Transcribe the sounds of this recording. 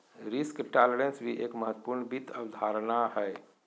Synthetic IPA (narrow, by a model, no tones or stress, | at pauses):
ɾiskʈaləɾənsʋʱiʔeːkməɦət̪ːə̥puɾɳbit̪ʰəʋd̪ʱaɾnaɦɛj